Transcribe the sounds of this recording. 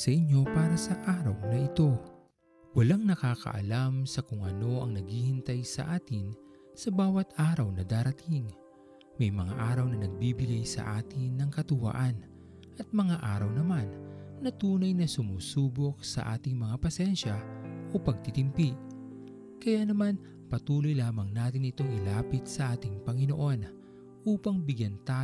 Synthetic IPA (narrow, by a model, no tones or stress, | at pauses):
sɐʔɪɲːo̞paːɾɐsɐʔaːɾɐwnɐʔɪt̪o̞ | wɐlaŋnɐkaːkɐ̰ʔɐ̰lamsɐkʊŋʔɐ̰no̞ʔɐŋnɐɡhiːhɪnt̪ajsɐ̰ʔaːt̪ɪn | sɐbaːwɐt̪aːɾɐwnɐd̪aːɾɐt̪ʰiŋ | mɐjmɐŋa̰ʔaːɾɐwnɐnɐɡ̚biːbɪɡajsɐ̰ʔaːt̪ɪnːɐŋkɐt̪ʊwa̰ːʔan | ʔɐt̪̚mɐŋaʔaːɾɐwnɐmanːɐt̪uːnɐjnɐsʊmuːsuːbok̚sɐ̰ʔa̰ːt̪ɪŋmɐŋapɐsɛnʃɐʔo̞pɐɡ̚t̪it̪ɪmpi | kɐjanɐman | pɐt̪uːlojlaːmɐŋnaːt̪ɪnɪt̪o̞ŋɪlaːpɪt̪̚sɐʔaːt̪ɪŋpɐŋɪno̞̰ʔo̞n | ʔuːpɐŋbɪɡjɐnt̪aː